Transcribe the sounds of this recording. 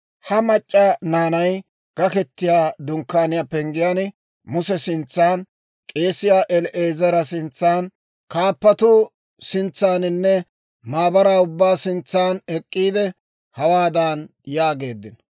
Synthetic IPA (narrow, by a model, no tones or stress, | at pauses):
hɐmɐt͡ʃʼːanaːnɐj | ɡ̥ɐkɛt̪ːɪjaːd̪ʊŋkːaːnɪjapɛŋɡɪjaːnɪ | mʊsɛsɪnt͡sːaːn | kʼe̞ːsɪjaːʔɛlʔeːzɐɾɐsɪnt͡sːaːn | kaːpːɐt̪u | sɪnt͡sːaːnɪnːɛ | maːbɐɾaːʊbːaːsɪnt͡sːaːnɛkʼːiːd̪ɛ | hɐwaːd̪aːnjaːɡe̞ːd̪ːɪn